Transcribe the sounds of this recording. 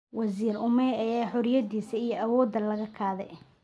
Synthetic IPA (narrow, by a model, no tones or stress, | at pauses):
wɐziːrʊmɛjɐjaːħʊɾjɐd̪iːsɐijɔʔɐwɔːd̪ɐlɐɣɐkʰaːðɛ̰j